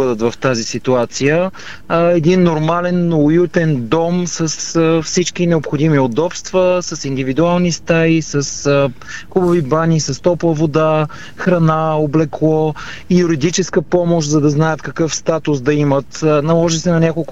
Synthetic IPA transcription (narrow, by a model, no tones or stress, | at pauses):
əd̪ət̪vɐft̪azisit̪uat̪sijə | ɛd̪inːoɾmalɛnːʊjut̪ɛnd̪ɔmsɐsfsit͡ʃkinɛopxod̪imiod̪ɔpst̪vəsɐsind̪ivid̪ualˠnist̪aisɐs | xubɐvibanʲisɐst̪ɔpvˠəvod̪a | xɾɐnaoblɛklˠɔ | ijuɾid̪it͡ʃɛskəpɔmoʃt̪zɐd̪ɐznajət̪kɐkɤfst̪at̪ʊsd̪ɐimət̪nɐlˠɔʒisɛnɐnʲakolˠk